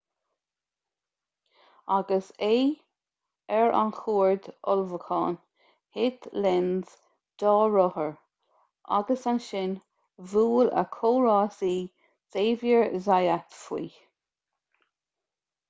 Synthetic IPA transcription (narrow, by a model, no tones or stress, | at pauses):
aɡəseː | ɛɹʔa̰nxuːɹd̪ɔlvəkʰɑ̰ːn | hɪt̪lɛnz̥ | d̪̥ɑːɹɔhəɹ | ʔa̰ɡəsanʃɪn | vuːlə̰kʰoːɹɑːsiː | seːvjəɹzajat̪fwḭː